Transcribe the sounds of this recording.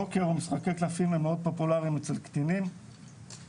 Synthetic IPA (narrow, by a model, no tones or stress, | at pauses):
okeʁomisχakeklafimemeo̞d̪̚po̞pulaʁimet͡selkt̪inim